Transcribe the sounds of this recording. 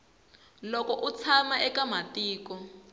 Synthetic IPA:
lɔkɔʔut͡sʰamaʔɛkamatiːkɔ

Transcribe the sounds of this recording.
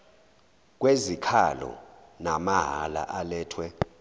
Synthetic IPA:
k̬wezikʰalɔ̰ | namaɦala̰ʔalɛːtʰwɛ

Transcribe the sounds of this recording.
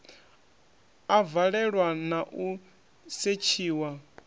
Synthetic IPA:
avaɺɛɺwanaʔu | set͡ʃʰiːwa

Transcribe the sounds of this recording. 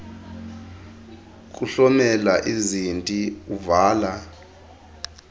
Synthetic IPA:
kʼuɬɔmɛlaʔizintʼiuvaːla

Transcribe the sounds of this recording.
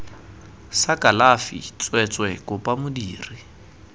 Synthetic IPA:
sakʼalafḭt͡sʼwɛt͡sʼwɛkʊpʼamʊdiːri

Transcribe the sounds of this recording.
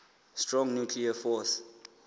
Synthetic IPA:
stɹɔ̃ŋnjukʰliəfɔs

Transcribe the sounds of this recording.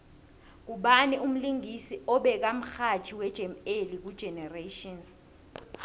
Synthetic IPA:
k̬uɓanium̩liŋisiɔɓɛk̬am̩xat͡ʃʰiwɛd̥ʒ̥ʱɛmelik̬ud̥ʒ̥ʱɛnɛreʃɔns

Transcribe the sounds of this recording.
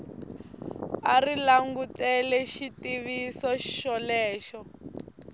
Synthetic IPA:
arilaŋɡutɛlɛʃitiβisɔʃʃɔlɛːʃɔ

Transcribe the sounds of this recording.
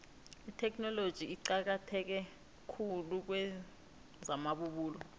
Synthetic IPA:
itʰɛk̬ʰnɔlod̥ʒ̥ʱiiǃak̬atʰɛk̬ɛ | kʰuluk̬wɛ | zamaɓuɓuːlɔ

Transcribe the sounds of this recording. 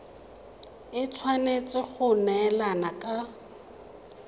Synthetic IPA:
ɪt͡sʰwanet͡sʼɪχʊnɛɛlanakʼa

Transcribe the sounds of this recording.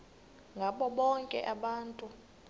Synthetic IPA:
ŋɡʱaɓɔɓɔŋkʼɛ̰ʔaɓaːntʼu

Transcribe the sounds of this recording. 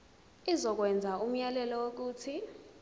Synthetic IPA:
izɔk̬wɛnd͡zʱaum̩jalɛlɔwok̬uːtʰi

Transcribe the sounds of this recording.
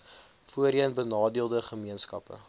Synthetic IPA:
fuəɾiənbənɑːdiəlˠdəχəmiənskɐ̰pə̰

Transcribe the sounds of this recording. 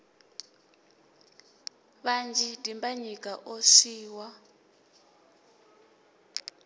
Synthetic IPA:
βand͡ʒʱidimbaɲikʼaʔosiːwa

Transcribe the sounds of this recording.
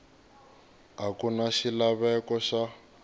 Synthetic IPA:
ɦakunaʃilaβɛkɔʃa

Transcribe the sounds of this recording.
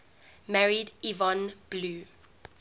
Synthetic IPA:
maɹidivɔ̃nb̥luː

